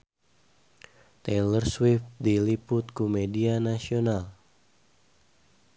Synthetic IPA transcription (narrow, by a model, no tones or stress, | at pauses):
t̪elərswɪft̪̚dilipʊt̪̚kumedianasional